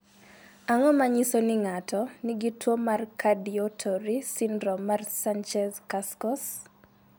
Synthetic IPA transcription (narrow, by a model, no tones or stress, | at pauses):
aŋɔmaɲisɔnɪŋatɔnɪɡitwomarkʰadiɔtʰɔɾisindɾɔmarsant͡ʃɛzkaskɔs